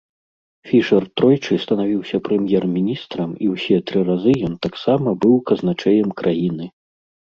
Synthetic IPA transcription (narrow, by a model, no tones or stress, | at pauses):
fʲiʂɐrt̪ɾɔjt͡ʂɨst̪ɐnavʲiwsʲɐpɾɛmʲjɛrmʲinʲist̪ɾɐmiwsʲɛt̪ɾɨɾazɨjɔnt̪aksamɐbɨwkɐznat͡ʂɛjɛmkɾʔajinɨ